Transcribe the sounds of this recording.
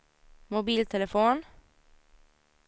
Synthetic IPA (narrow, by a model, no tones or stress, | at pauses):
mʊbiːlt̪ʰɛlɛfoːn